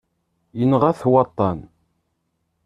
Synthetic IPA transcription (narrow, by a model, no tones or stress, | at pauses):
jənʁæθwɑt̪ˤːɑn